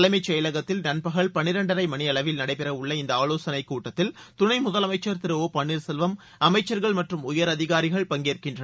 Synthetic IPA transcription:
lɐɪmɐɪt͡ʃːɐjɐlɐɣɐt̪ːɪlnɐnpɐɣɐɭpɐɳɪɾɐɳɖɐɾɐɪmɐnɪɐɭɐʋɪlnɐɽɐɪpɛɾɐʊɭːɐɪnd̪ɐaːloːsɐnɐɪkːuːʈːɐt̪ːɪlt̪ʊnɐɪmʊðɐlɐmɐɪt͡ʃːɐɾt̪ɪɾɯoːpɐɳːiɾsɛlʋɐm | ɐmɐɪt͡ʃːɐɾɣɐɭmɐʈrɯmʊjɐɾɐðɪɣaːɾɪɣɐɭpɐŋɡeːɾkɪndrɐ

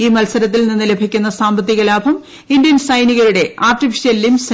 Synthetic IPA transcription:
iːmɐlsɐɾɐt̪ːilninːɨle̞bʱikʲːunːɐsaːmbɐt̪ːiɣɐlaːbʱɐm | indjɐnsɐjniɣɐɾuɽe̞aːrʈifiʂijɐlilums

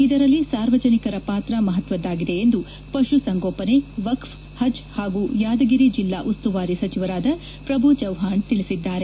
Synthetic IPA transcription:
id̪ɐɾɐlːisaːɾʋɐd͡ʒɐnikɐɾɐpaːt̪ɾɐmɐɦɐt̪ʋɐd̪ːaːɡid̪e̞ːnd̪u | pɐʃusɐŋɡoːpɐne̞ʋɐkf | hɐd͡ʒhaːɡuːjaːd̪ɐɡiɾid͡ʒilːaːʔust̪uʋaːɾisɐt͡ʃiʋɐɾaːd̪ɐ | pɾɐbʱut͡ʃɐwɦaːɳt̪ilisid̪ːaːɾe

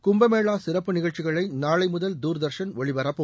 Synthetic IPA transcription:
kʊmbɐmeːɭaːsɪɾɐpːɯnɪɣɐɭt͡ʃːɪɣɐɭɐɪnaːɭɐɪmʊðɐld̪uːɾðɐɾʂɐnʋɔɭɪʋɐɾɐpːɯ

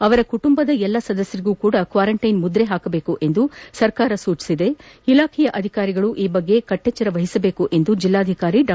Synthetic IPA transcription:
ɐʋɐɾɐkuʈumbɐd̪ɐɛlːɐsɐd̪ɐsjɐɾiɡuːkuːɽɐkʋaːɾɐɳʈɐjnmud̪ɾeɦaːkɐbeːkuʔe̞nd̪usɐɾkaːɾɐsuːt͡ʃi̥sid̪e̞ | ilaːkʰɛjɐʔɐd̪ʱikaːɾiɡɐɭuʔiːbɐɡːe̞kɐʈːɛt͡ʃːɐɾɐʋɐɦisɐbe̞ːkuʔe̞nd̪ud͡ʒilːaːd̪ʱikaːɾiɖ

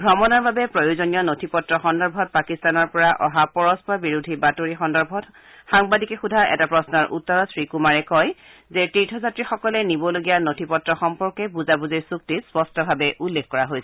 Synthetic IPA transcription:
ɡʱɔmɔnɔɹbabɛpɹojozonijɔnotʰipɔtɹɔxɔndɔɹbʱɔt̚pakistanɔɹpɔɹaʔɔɦapɔɹɔspɔɹbiɹudʱibatoɹixɔndɔɹbʱɔt | xaŋbadikɛxudʱaʔɛ̰tapɹɔsnɔɹʔṵtːɔɹɔsɹikumaɹɛkɔj | zɛtitʰɔzatɹixɔkɔlɛnibɔloɡijanotʰipɔtɹɔxɔmpɔɹkɛbuzabuziɹsuk̚tispɔstɔbʱabɛʔulːekxkɔɹaɦojsɛ

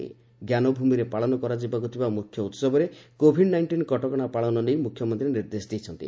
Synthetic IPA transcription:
ḭ | ɡjanɔbʱumiɾepaɭɔnɔkɔɾad͡ʒibakut̪ʰibamukʰjɔut̪sɔbɔɾekobʱiɖnajɳʈinkɔʈɔkɔɽ̃apaɭɔnɔnejmukʰjɔmɔnt̪ɾiniɾd̪esd̪ejt͡ʃʰɔnt̪ḭ

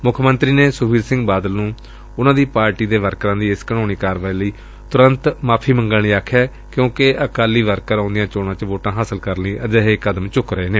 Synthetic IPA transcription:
mʊkʰmə̃nt̪ɾiːneːsʊbʱiːɾsɪ̃ŋɡbaːd̪əlnũː | ʊnãːd̪iːpaːɾʈiːd̪eːʋəɾkɾãːd̪iːɪskənoːñiːkaːɾʋaːiːləiː | t̪ʊɾənt̪maːpʰiːməŋɡəlniːaːkʰːjɛː | kjõːkeəkaːliːʋəɾkəɾãːnd̪ɪjãːt͡ʃoːnãːt͡ʃʋoːʈãːɦaːsəlkəɾnĩːʔəd͡ʒ̪əɦekəd̪əmt͡ʃʊkɾəeːneː

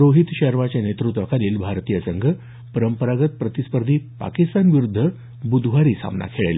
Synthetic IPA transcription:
ɾoɦit̪ɕəɾmat͡ɕanet̪ɾut̪ʋəkʰaniːlbʱaɾt̪ijəsəŋɡʱə | pəɾəmpəɾaɡət̪̚pɾət̪ispəɾd̪ʱiːpa̰kist̪anʋiɾud̪ʱːə | bud̪ʱʋaɾiːsa̰mna̰kʰeɭele

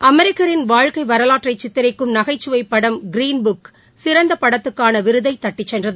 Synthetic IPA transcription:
ɐmɛɾɪkːɐɾɪnʋaːɻkɐɪʋɐɾɐlaːʈrɐɪt͡ʃːɪt̪ːɪɾɐɪkːɯmnɐɣɐɪt͡ʃːɯʋɐɪpːɐɽɐmɡɪɾiːnbʊk | sɪɾɐnd̪ɐpɐɽɐt̪ːɯkːaːnɐʋɪɾɯðɐɪt̪ːɐʈːɪt͡ʃːɛndrɐðɯ

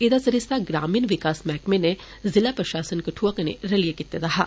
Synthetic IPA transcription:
ed̪asɐɾisaɡɾaːmiːnʋɪkaːsmɛːkmene | zɪlapɾɐʃaːsənkɐʈʰuəkənḛɾɐlijekit̪ed̪ɐɦa̰ː

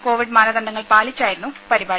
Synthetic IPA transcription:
ko̞ːʋiɖmaːnɐd̪ɐɳɖɐŋːɐɭpaːɭit͡ɕːaːjiɾunːupɐɾibaː

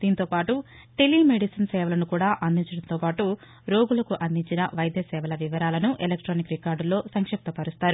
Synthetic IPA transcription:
d̪̥iːnt̪oːpaːʈu | ʈelimeɖisɐnsɛːʋɐlɐnukuːɽaːʔɐnd̪iɲt͡ʃɐɽɐnt̪o̞ːpaːʈu | ɾo̞ːɡulɐkuʔɐnd̪ʱiɲt͡ʃinɐʋɐjɐd̪jɐsɛːʋɐlɐʋiʋɐɾaːlɐnuʔelekʈɾoːnikɾikaːɾɖlo̞ːsɐŋkʂɐp̚t̪ɐpɐɾust̪aːɾu

